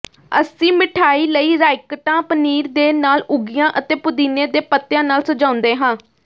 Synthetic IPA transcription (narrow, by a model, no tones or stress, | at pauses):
ə̰sĩːmɪʈʰaːiːləiːɾaːɪkəʈãːpəniːɾd̪eːnaːlʊɡɪjãːʔət̪eːpʊd̪iːnẽːd̪eːpət̪ːjãːnaːlsəd͡ʒãːʊnd̪eːɦãː